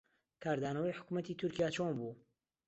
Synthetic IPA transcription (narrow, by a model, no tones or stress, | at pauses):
kʰaːɾd̪aːnɐwɐjħʊ̥kumɐt̪iːt̪ʰʊɾkijaːt͡ʃonbuː